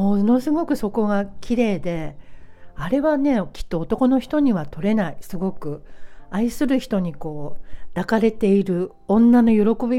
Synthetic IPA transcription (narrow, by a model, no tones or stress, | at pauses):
mo̞no̞sɨɡo̞kɯ̟so̞ko̞ɡakʲʰiɾe̞ːd̪e̞ | aɾe̞βane̞kʲi̥t̪ːo̞ːt̪o̞ko̞no̞çi̥t̪o̞ɲ̟iβat̪o̞ɾe̞naisɨɡo̞kɯ̟aisɨɾɯ̟çi̥t̪o̞ɲ̟iko̞ːd̪̥akaɾe̞t̪e̞iɾɯ̟ | õ̞nːano̞jo̞ɾo̞ko̞bʲi